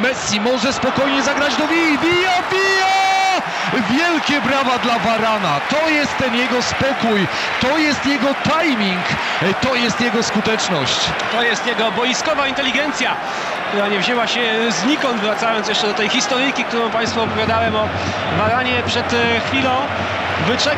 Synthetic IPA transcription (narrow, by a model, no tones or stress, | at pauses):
mɛsʲːimɔʐɛspɔkɔjɲɛzaɡɾad͡ʑd̪ɔvivʲijɔvʲijɔ | vʲjɛlkʲɛbɾavad̪lavaɾanat̪ɔjɛst̪ːɛnjɛɡɔspɔkuj | t̪ɔjɛst̪jɛɡɔt̪ajmʲiŋk | t̪ɔjɛst̪jɛɡɔskut̪ɛt͡ʂnɔ̰ɕt͡ɕ | t̪ɔjɛst̪jɛɡɔbɔjiskɔvaint̪ɛlʲiɡɛnt̪sʲja | k̚t̪uɾaɲɛvʑɛwaɕɛzɲikɔnd̪vɾat̪sajɔ̃nsjɛʂt͡ʂɛd̪ɔt̪ɛjxist̪ɔɾɨjkʲik̚t̪uɾɔ̃w̃paj̃st̪fɔːpɔvʲjad̪awɛmɔ | vaɾaɲɛpʂɛt̪xfʲilɔ̃w̃ | vɘt͡ʂɛ